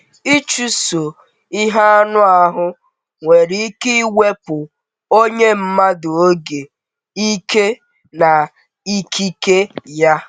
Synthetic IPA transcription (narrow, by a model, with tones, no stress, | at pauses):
i˦t͡ʃu˦so˨ | i˦ɦa˦a˦nʊ˦a˨ɦʊ˦ | ŋʷe˨ɾi˦i˦ki˦we˦pʊ˨ | o˦ɲe˦m̩˦ma˦do˨o˦ɡe˨ | i˦ke˦ | na˨ | i˦kʰi˦ke˦ja˦